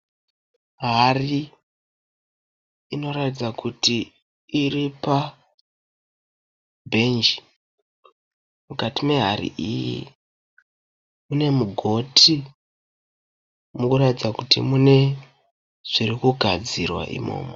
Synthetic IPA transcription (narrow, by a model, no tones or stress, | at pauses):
ɦari | ino̞ratid͡zakʰutiː | ripa | bʱe̞nd͡ʒi | mukatime̞ɦarḭʔijḭ | mune̞muɡʱo̞tʰi | mukuɾatid͡zakutimune̞ | ʐ̥irikuɡʱad͡zirwa̰ʔḭmo̞̰ːmo